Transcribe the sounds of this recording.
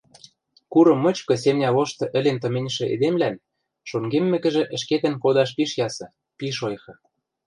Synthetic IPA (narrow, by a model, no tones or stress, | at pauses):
kuɾɤ̆mːɤ̆t͡ɕkɤ̆semnʲɑloʃt̪ɤ̆ʔɘ̆lent̪ɤ̆menʲʃ̬ĕʔḛd̪emlæn | ʃoŋɡemːɘ̆kɘ̆ʒĕʔɘ̆ʃket̪ɘ̆nkod̪ɑʃpiʃjɑsɤ̆ | piʃ̬ojxɤ̆